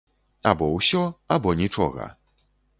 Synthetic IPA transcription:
a̰bɔwsʲɔabɔnʲit͡ʂɔ̰ɣɐ̰

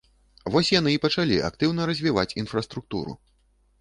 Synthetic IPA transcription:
vɔsʲjanɨipɐt͡ʂalʲia̰k̚t̪ɨwn̪ɐɾɐzʲvʲivat͡sʲinfrɐst̪ɾuk̚t̪ṵɾṵ

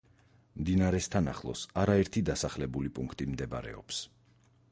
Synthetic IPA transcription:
md̪inaɾɛst̪ʰana̰χlˠɔ̰saɾaɛɾt̪ʰid̪asaχlɛbulipʼuŋkʰt̪ʼimd̪ɛb̰ɾɛ̰ɔ̰ps

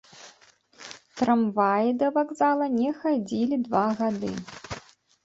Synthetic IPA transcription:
t̪ɾamvajid̪ɐvaɡzalˠɐnʲɛxad͡zʲilʲid̪vaɣad̪ɨ̰

